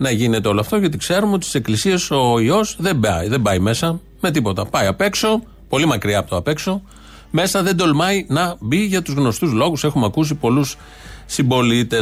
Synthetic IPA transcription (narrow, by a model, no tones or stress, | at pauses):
nɐʝine̞t̪eo̞loɐft̪oʝɐt̪ikse̞ɾumeot̪i̥si̥se̞klisie̞so̞io̞zðebɐjðe̞bɐjme̞sɐ | me̞t̪̬ipo̞t̪ɐpɐjɐpe̞kso̞ | po̞limɐkɾiɐpot̪oɐpe̞kso̞ | me̞sɐðe̞d̪o̞lmɐinɐbiʝɐt̪uzɣno̞st̪uzlo̞ɣuse̞xumeɐkus̬ipo̞lusː | imbo̞lit̪e̞